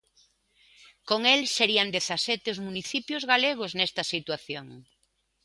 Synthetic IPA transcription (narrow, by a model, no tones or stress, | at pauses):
koŋelseɾiand̪eθasɛt̪eozmuniθipjozɣaleɣ̞oznɛst̪ɐsit̪waθjoŋ